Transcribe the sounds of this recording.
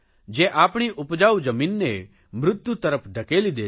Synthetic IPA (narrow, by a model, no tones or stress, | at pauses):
d͡ʒeʔaːpɽ̃iʔʊpd͡ʒaːud͡ʒəmiːnːe | mɾʊt̪ːjut̪əɾəpʰɖʱəkeːlid̪eː